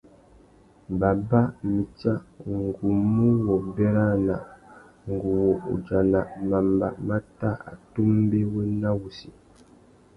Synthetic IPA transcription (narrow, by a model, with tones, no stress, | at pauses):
ba˨ba˦mi˨t͡ʃa˦ŋŋ̩˨ɡu˨mːu˦wɔ˨bɛ˦ɾa˦na˨ | ŋ̩˨ɡu˨wṵ˨d͡ʒa˨na˨ma˨mba˨ma˦ta˦a̰˨tu˦m˦be˦wu˦na˦wu˨si˨